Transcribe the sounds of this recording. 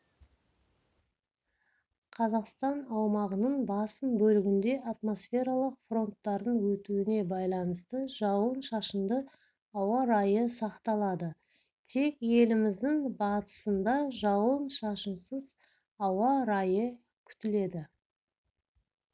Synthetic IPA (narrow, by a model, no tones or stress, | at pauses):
qʰɑzɑqst̪ɑnɑwmɑʁənəɴbɑsəmbɵlɪɡʲɪnd̪e̞ʔɑt̪mo̞sfʲe̞ɾɑlˠəqfro̞nt̪ːɑɾənwɵt̪uɪne̞bɑjlˠɑnəst̪əʒɑwənʃɑʃəmd̪ə | ɑwɑɾɑjəsɑqt̪ɑlˠɑd̪ə | t̪ʰe̞kʲje̞lɪmɪzd̪ɪŋbɑt̪ə̥sənd̪ɑʒɑwənʃɑʃənsəz | ɑwɑɾɑjə | kʲʰʏ̥t̪ɪle̞d̪ɪ